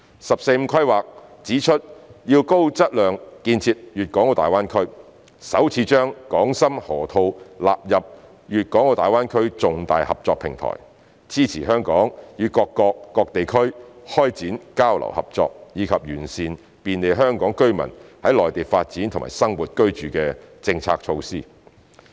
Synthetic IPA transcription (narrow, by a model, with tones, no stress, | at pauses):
sɐ˨p̚se˧jm̩˧kʰɐ˥jwaː˨k̚t͡siː˨˥t͡ʃʰɵ˥t̚jiː˧wko˥wt͡sɐ˥t̚lœː˨ŋkiː˧nt͡sʰiː˧p̚jyː˨t̚kɔː˨˥ŋo˧wt̪aː˨˩waː˥nkʰɵ˥ɥ | sɐ˨˥wt͡sʰiː˨˧˥t͡ʃœː˥ŋkɔː˨˥ŋsɐ˥mhɔː˨˩t̪ʰo˧wla̰ː˨p̚jɐ˨p̚ | jyː˨t̚kɔː˨˥ŋo˧t̪aː˨˩waː˥nkʰɵ˥ɥt͡sʊ˨ŋt̪a̰ː˨jhɐ˨p̚t͡ʃɔː˧k̚pʰɪ̰˨˩ŋt̪ʰɔ̰ː˨˩j | t͡siː˥t͡sʰiː˨˩ɦœː˥ŋkɔː˨˥ŋjyː˨˧kɔː˧kːɔː˧kːɔː˧k̚t̪e˨jkʰɵ˥ɥhɔː˥jt͡siː˨˥nkaː˥wlɐ̰˨˩whɐ̰˨˩p̚t͡sɔ̰ː˧k̚jiː˨˧kʰɐ˨p̚jyː˨˩nsiː˨n | piː˨˧nle˨˧jɦœː˥ŋkɔː˨˥ŋkɵ˥ɥmɐ̰˨˩nhɐ˨˥jlɔː˨jt̪iː˨˩faː˧t̚t͡siː˨˥nt̪ʰŋma̰ː˨˩jsɐ˥ŋwuː˨t̚kɵ˥ɥt͡ʃyː˨kɛː˧t͡sɪ˧ŋt͡sʰa̰ː˧k̚t͡ʃʰo˧wsiː˥